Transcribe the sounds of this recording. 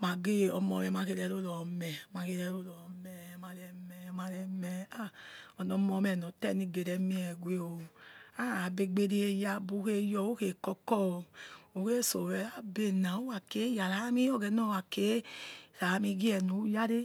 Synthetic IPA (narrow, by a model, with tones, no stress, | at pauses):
ma˨ɡe˦˨ɔ˨˧mɔ˨˧mɛ˨ma˧ke˧ɾɛ˧˦ɾo˦lɔ˨mɛ˨ma˧ke˧ɾɛ˧˦ɾo˦lɔ˨mɛ˨ma˧lɛ˧mɛ˨˦ma˧ɾɛ˧mɛ˨a˦ɔ˨nɔ˧˦mɔ˧˦mɛ˨nɔ˨tɛ˦˨ni˧˨ɡe˨ɾɛ˨˧mi˦ɛ˨ɡʷe˦o˨a˦˨a˨be˧ɡ͡be˧de˦e˧ja˧bu˧˦ke˧jɔ˧o˦ke˨kɔ˧kɔ˦˨o˨ke˦˨so˨wɛ˨˦la˦be˦˨na˨o˦wa˨ke˨˦ja˨la˨˦mi˦ɔ˦ɡɛ˧˦nɔ˦˨wa˨ke˨˦˨sa˨˦mi˧ɡi˦ɛ˨nu˨˦ja˦ɾe˦